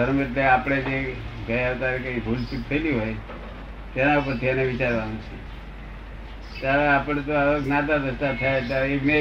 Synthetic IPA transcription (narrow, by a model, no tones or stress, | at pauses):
əɾmeʈleapɽ̃ed͡ʒeɡəjat̪aɾekaibʱult͡ʃut̪ʰəiliɦoj | t̪enaupəɾt̪ʰianeʋit͡ʃaɾʋanũt͡ʃʰe | t̪aɾeapəɽ̃t̪oaʋəɡnat̪aɾəst̪at̪ʰajet̪jaɾekne